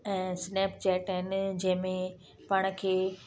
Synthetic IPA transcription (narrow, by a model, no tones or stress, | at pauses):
ɛ̃ːsnɛːpt͡ɕɛːʈɦɪnd͡ʑɐ̃ɦɪ̃mẽ | paːɽ̃̆kʰeː